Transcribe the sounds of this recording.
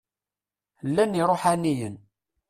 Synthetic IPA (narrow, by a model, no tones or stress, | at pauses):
lːæniɾˤoħanijən